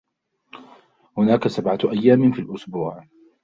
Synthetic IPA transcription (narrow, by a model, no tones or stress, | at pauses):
hʊnaːkasabʕaʔajːaːmɪfiːlʔʊsbuːʕ